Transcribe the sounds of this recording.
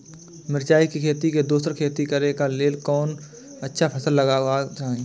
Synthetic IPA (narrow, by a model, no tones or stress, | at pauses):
mɪɾt͡ʃaːikikʰeːt̪iked̪uːsəɾkʰeːt̪ikɐɾekaleːlkɔːn | ɐtːʃʰapʰɐsəlːəɡaat͡ʃaːɦẽ